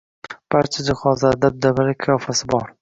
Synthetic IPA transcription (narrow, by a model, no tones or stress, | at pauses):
b̥aɾt͡ʃʰad͡ʒɪχɒzad̪ab̚d̪avɪlakʰajɒfasɪbɒɾ